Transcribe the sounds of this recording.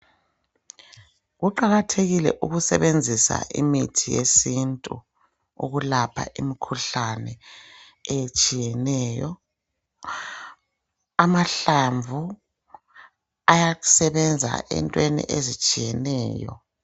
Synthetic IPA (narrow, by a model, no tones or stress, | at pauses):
ɣuǃaɣatʰeɣilɛ̰ʔuɣusɛβend͡zʱisa̰ʔḭmitʰijḛsintʼu | ṵɣulapʰa̰ʔimikʰuɬanɛ | ɛjet͡ʃʼijɛnɛːjɔ | amaɬaɱvʱu | ajaɣu̥sɛβɛnd͡zʱa̰ʔɛ̰ntʼwenḭʔezit͡ʃʼijɛnɛːjɔ̰